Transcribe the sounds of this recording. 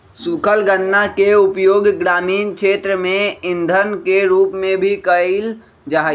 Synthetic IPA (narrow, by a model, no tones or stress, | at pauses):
sukʰəlɡənːakeʊpjoːɡɡɾaːmiːnkʃʰeːt̪ɾəmẽɪnd̪ʱənkeɾuːpmẽbʱikəɪl | d͡ʒaɦ